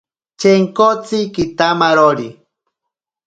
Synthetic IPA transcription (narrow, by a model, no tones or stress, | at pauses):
t͡ʃeŋkot͡sikit̪amaɾoɾi